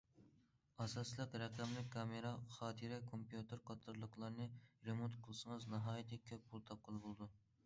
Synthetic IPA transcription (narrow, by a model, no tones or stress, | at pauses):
ɑsɑslˠəqɾɛqɛmlɪkʲkʰːɑmeɾɑχɑːt̪ʰɨɾɛkʰompjut̪ʰɨɾqʰɑt̪ʰɨɾlˠəqlˠɑɾnɨɾemont̪qʰəlˠɨsɨŋɨznɑɦɑːjit̪ʰɛkʲʰøp̚ʲpʰulˠt̪ʰɑp̚qʰəlˠɨbolˠɨd̪u